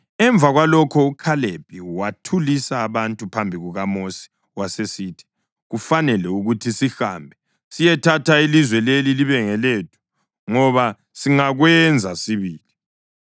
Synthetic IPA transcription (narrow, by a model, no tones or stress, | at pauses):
ɛɱbvʱaɣwalɔkʰɔukʰaleb̥̚ʱʼiwatʰulisaːβantʼupʰambʱiɣuɣamosi̥ | wasesiːtʰi̥ | ɣufanɛlɛuɣutʰisihaːmbʱɛ | sijɛtʰatʰailizwɛleliliβɛŋɛleːtʰu̥ | ŋɔβa | siŋaɣwɛnd͡zʱasiβiːli